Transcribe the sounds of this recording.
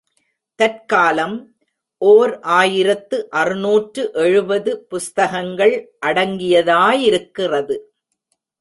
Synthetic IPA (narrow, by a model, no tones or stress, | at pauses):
t̪ɐrkaːlɐm | ʔoːɾʔaːjɪɾɐt̪ːɯʔɐrɯnuːʈrɯʔɛɻɯbɐðɯpʊst̪ɐɣɐŋɡɐɭʔɐɽɐŋɡɪjɐðaːjɪɾɯkːɪrɐðɯ